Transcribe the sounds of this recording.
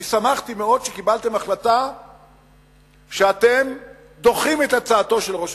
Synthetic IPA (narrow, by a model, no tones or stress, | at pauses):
samaχt̪ime̞o̞d̪ʃekibalt̪e̞maχlata | ʃeat̪e̞m | d̪o̞χime̞t̪at͡saːt̪o̞ʃelʁoʃ